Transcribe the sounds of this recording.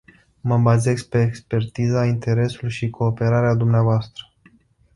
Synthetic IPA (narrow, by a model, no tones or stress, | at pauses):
məbaze̞sk̚pe̞ːkspe̞rt̪izaint̪e̞ɾe̞sulʃikʰo̞ːpe̞ɾaɾead̪umneavoast̪ɾə̥